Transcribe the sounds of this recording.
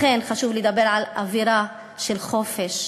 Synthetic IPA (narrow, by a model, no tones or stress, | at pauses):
enχaʃuvlejd̪abeɾʕalʔa̰viɾa | ʃelχofeʃ